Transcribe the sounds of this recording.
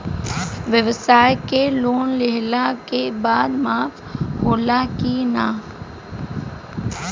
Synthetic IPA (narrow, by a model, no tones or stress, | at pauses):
ʋjəʋsaːekeloːnlɪɦlakebaːd̪maːf | hoːlakinaː